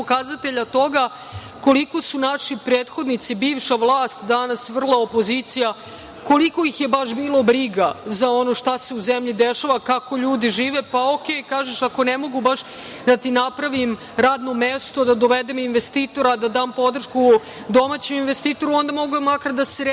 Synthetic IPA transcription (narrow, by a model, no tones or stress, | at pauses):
pokazat̪e̞ʎat̪o̞ɡa | ko̞liko̞sunaʃipɾeːt̪xo̞d̪nit̪sibiːʋʃaʋlˠaːst̪d̪anasʋr̩lˠaopo̞zit̪sija | ko̞liko̞ixje̞baʃbiːlˠo̞bɾiɡazao̞no̞ʃt̪ase̞uzemʎid̪eʃaʋakako̞ʎuːd̪iʒiːʋepaokejkaːʒeʃako̞nemo̞ɡubaʃ | d̪at̪inapɾaʋim | ɾaːd̪no̞mest̪o̞d̪ad̪o̞ʋed̪eminʋest̪iːt̪o̞ɾad̪ad̪aːmpo̞d̪r̩ʂʃku | d̪o̞mat͡ɕeminʋest̪iːt̪o̞ɾuo̞nd̪amo̞ɡumakaɾd̪aseɾe